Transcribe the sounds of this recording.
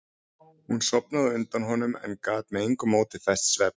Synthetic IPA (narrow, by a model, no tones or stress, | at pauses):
hunsɔpnaðɪʏnt̪anɦɔnʏmɛ̰nkaːt̪mɛðejŋkʏmowt̪ʰɪ̥θɛssvɛp̚n̥